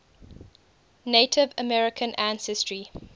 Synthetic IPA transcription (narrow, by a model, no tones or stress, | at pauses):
netʰɪvəmɛɹɪkʰə̃nʔæ̃nsɛstʰɹi